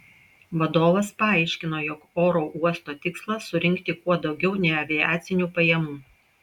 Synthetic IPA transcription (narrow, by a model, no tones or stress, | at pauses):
ʋɐd̪oːʋɐspɐɑˑɪʃʲkʲɪn̪oːjɔkoːɾoʔuɔst̪oːt̪ʲɪkslˠɐʊɾʲɪŋʲkt̪ʲɪkuɔd̪ɒʊɡʲɛʊnʲɛɪɐʋʲɪjɑːt̪sʲɪnʲuːpɐjɛmuː